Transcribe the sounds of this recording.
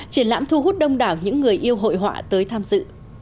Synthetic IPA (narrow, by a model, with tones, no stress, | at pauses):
t͡ɕi˧˩ənla̰ː˧˥mt̪ʰu˧ɦu˦˥t̚ɗə˧wŋ͡mɗaː˨˩wɲɨ̰˧˥ŋːɨ˨˩əjʔi˧əwɦo̰˧˨jɦwa̰ː˧˨t̪əː˨˦jt̪ʰaː˧mzɨ̰˧˨